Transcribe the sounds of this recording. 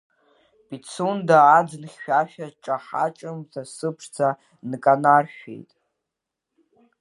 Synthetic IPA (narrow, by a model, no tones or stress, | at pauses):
pʼit͡sʰundaːd͡znχʲːᶣaʃᶣaʈ͡ʂʼaħa̰t͡ʃʼɨmzʰasɨpʰʂt͡sʰa | nkʼanarʃᶣḛjtʼ